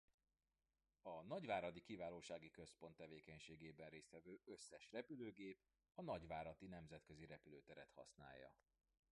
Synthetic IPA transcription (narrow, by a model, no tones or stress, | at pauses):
ɒnɒɟʋaːɾɒd̪ikivaːloːʃaːɡikø̞spo̞nt̪ːɛveːkɛɲʃeːɡeːbɛnreːst̪ʋɛvøːø̞sːɛʃrɛpyløːɡeːp | ɒnɒɟʋaːɾɒt̪inɛmzɛt̪køziɾɛpyløːt̪ɛɾɛt̪hɒ̰sna̰ːjːɒ̰